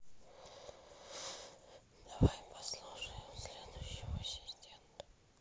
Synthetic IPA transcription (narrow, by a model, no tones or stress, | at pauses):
d̪avajɪmpʰɐslˠuʂəjɪmsʲlʲed̪ʊjɕːɪvəsʲɪzʲdʲent̪ə̥